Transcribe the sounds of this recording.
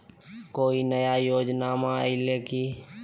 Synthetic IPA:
koːinəjajoːd͡ʒnaːmãileːki

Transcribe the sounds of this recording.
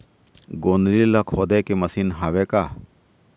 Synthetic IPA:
ɡoːnlilakʰoːd̪eːkemɐsiːnɦaːʋeːkaː

